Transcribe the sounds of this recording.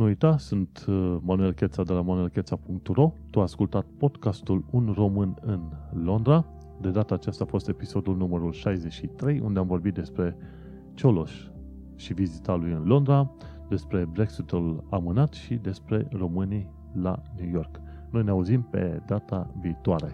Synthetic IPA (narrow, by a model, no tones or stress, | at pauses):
nuujt̪asunt̪manue̞lkʲe̞t̪sad̪e̞lamanue̞lkʲe̞t̪sapuŋk̚t̪ro̞t̪uaskult̪at̪̚po̞d̪kast̪ulunro̞mɨnɨnlo̞nd̪ɾa | d̪e̞d̪at̪aːt͡ʃast̪aːfo̞st̪e̞piso̞d̪ulnuməɾulʃajze̞t͡ʃʃit̪ɾe̞jṵnd̪eamvo̞rbit̪̚d̪e̞spɾe̞ | t͡ʃo̞loʃ | ʃivizit̪alujɨnlo̞nd̪ɾa | d̪e̞spɾe̞bɾe̞ksit̪ulamɨnat̪ʃid̪e̞spɾe̞ro̞mɨni | lanjujo̞rk | no̞jneauzimpe̞̰d̪at̪aviːt̪oaɾe̞̰